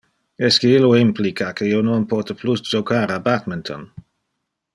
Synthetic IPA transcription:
ɛskeiloimplikʰakeiononpɔt̪əplusd͡ʒokʰaɾabat̪mɪnt̪ʰo̰n

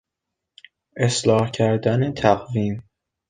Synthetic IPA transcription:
ʔe̞slɒːhcʰæɾd̪ænet̪ʰæɣviːm

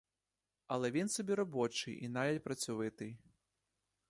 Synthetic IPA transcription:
ɐlˠɐvʲint̪sɨbʲɛɾɐbɔt͡ʂɨjʔḭnajʲɛlʲpɾɐsʲuvɨt̪ɨj

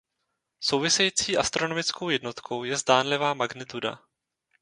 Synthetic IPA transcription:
so̞wvɪsɛjiːt͡siːʔast̪ɾo̞nomɪt͡skʰowjɛdno̞t̪kʰo̞wjɛzdaːnlɪvaːmaɡnɪt̪uda̰

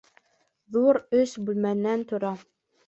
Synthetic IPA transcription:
ðuɾɵsbʉlmænːænt̪ŏɾɑ

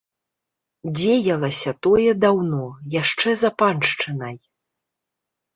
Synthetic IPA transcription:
d͡zʲejɐlˠɐsʲɐt̪ɔjɛd̪awnɔjaʂt͡ʂɛzapanʂt͡ʂɨnɐj

